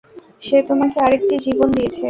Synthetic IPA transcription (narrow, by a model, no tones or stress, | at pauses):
ʃepɾomakeaɾek̚ʈid͡ʑibond̪ijet͡ɕʰe